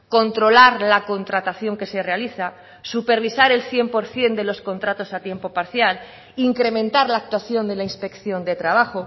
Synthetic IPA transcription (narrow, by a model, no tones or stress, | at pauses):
ko̞nt̪ɾo̞laɾlako̞nt̪ɾat̪aθjo̞ŋke̞se̞re̞aliθa | supe̞ɾβ̞isaɾe̞lθje̞mpo̞ɾθje̞nd̪e̞lo̞sko̞nt̪ɾat̪o̞sat̪je̞mpo̞paɾθjal | iŋkɾe̞mẽnt̪aɾlaːk̚t̪waθjo̞nd̪e̞lainspe̞kθjo̞nd̪e̞t̪ɾaβaxo